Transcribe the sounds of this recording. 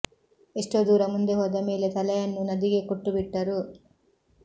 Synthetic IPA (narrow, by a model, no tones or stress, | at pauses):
eʂʈoːd̪uːɾɐmund̪eɦɔd̪ɐmiːlet̪ɐlɐjɐnːunɐd̪iɡekoʈːubiʈːɐɾu